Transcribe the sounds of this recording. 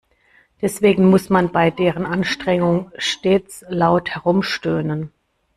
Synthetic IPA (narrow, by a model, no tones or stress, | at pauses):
d̥ɛsv̥eːɡŋ̩mʊsmanbaɪdeːʁənʔanʃtʁ̥ɛŋʊŋʃteːt͡slaʊthɛʁʊmʃtøːnən